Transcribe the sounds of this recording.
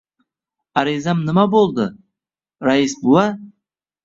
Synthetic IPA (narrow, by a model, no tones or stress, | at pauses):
aɾizamnɪmabolˠd̪ɪ | ɾaisbulˠa